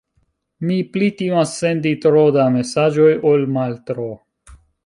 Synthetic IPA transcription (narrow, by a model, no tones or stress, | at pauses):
miplit̪imasːend̪it̪ɾod̪amesad͡ʒojolmalt̪ɾo